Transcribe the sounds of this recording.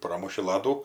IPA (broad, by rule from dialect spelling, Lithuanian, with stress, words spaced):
ˈproːmʊʃʲɪ ˈlˠɑːduː